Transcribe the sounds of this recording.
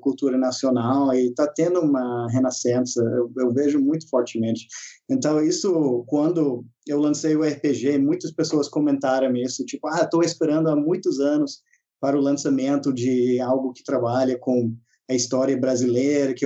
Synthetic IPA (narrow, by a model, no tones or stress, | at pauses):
kult̪uɾɐnasionawɪt̪at̪ẽnd̪ʊũmɐɦenasẽsɐewewveʒʊmũj̃t̪ʊ̥fɔɾt͡ʃɪmẽnt͡ʃɪ̥ẽnt̪ɐ̃w̃isʊkwɐ̃nd̪ʊ | ewlɐ̃sejʊɛhɪpeʒeɪmũj̃t̪ɐspesoɐskõmẽnt̪aɾɐ̃w̃isʊt͡ʃipʊat̪owespeɾɐ̃nd̪ʊamũj̃t̪ʊzɐ̃nʊs | paɾɐʊlɐ̃samẽnt̪ʊd͡ʒɪawɡʊkɪ̥t̪ɾabaʎɐkõ | ɐist̪ɔɾiɐbɾazilejɾɐkɪ